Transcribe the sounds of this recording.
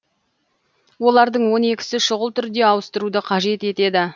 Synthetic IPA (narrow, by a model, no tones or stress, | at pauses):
wo̞lˠɑɾd̪əɴwo̞ne̞kʲɪ̥sɪʃʊʁəlˠt̪ʰʏɾd̪e̞ɑwəst̪əɾud̪əqʰɑʒe̞t̪e̞t̪e̞d̪ɪ